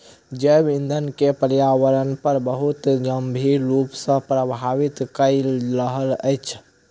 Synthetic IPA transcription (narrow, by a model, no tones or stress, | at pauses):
d͡ʒebind̪ʱənkepəɾjawəɾənpəɾbəɦut̪d͡ʒəmbʱiɾupsə̃pɾəbʱaʋit̪kəɪlɾəɦələ̰ɪt͡ʃʰ